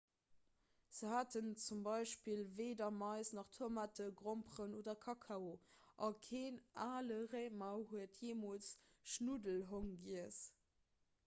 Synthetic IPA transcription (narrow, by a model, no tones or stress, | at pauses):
z̥əhaːtənt͡sumbɑɪʃpilveːdɐmɑɪsnɑχtʰuɐmatəɡʁompʁənoːdɐkʰɑkʰɑoʔɑkʰeːnʔaːləʁeɪmɑʊɦuətʰjeːmolt͡sʃnudəlɦoŋɡiəs